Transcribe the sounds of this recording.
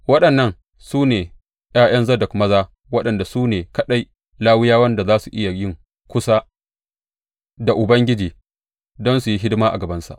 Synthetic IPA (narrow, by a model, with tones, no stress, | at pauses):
wɐ˦ɗɐ˨nːɐ˦ŋ | suː˦neː˨ | j̰aː˦j̰ɐ˦nzɐ˦dɐ˨kmɐ˦zaː˦ | wɐ˦ɗɐ˨nda˨suː˦neː˨kɐ˦ɗa˦j | laː˦wɪ˦jaː˦wɐ˦nda˨zaː˦su˨ʔɪ˦ja˨jɪ˦ŋ | kʷʊ˦sa˦ | da˨ʔʊ˨bɐ˦ŋɡʲɪ˦d͡ʒiː˨ | dɔ˦nsu˨ji˦ɦɪ˦dmaː˦ʔa̰˨ɡɐ˨bɐ˦nsa̰˨ʔ